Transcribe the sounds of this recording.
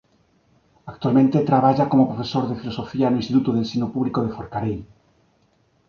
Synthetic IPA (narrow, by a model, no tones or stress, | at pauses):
ak̚t̪ualmẽnt̪et̪ɾaβ̞aʝako̞mopɾofesoɾðefilosofianuinst̪it̪ut̪uðelsinopuβlikoð̞efoɾkaɾel